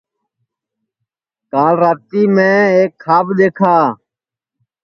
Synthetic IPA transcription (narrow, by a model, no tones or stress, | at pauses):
kaːlɾaːt̪iːmẽːeːkʰːaːbd̪eːkʰaː